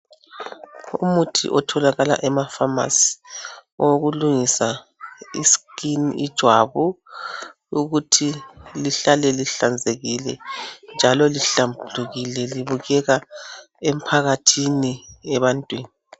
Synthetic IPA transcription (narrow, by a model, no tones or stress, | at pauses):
ṵmutʰḭʔɔtʰɔlaɣala̰ʔɛmafama̰si̥ | oɣuluŋisa | iskiniid̥ʒ̥ʱwa̰βu | uɣutʰiliɬalɛliɬand͡zʱeɣilɛnd͡ʒʱalɔliɬambʱuluɣilɛliβuɣɛɣa | em̩pʰaɣatʰiniɛβantʼwiːni